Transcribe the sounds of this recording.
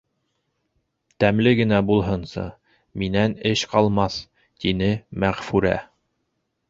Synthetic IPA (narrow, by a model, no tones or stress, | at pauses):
t̪æmlɘɡɘ̆næbulˠɦɤnsɤ̰ | minænɘʃqɑlˠmɑθ | t̪inɘmæʁfʉɾæ̰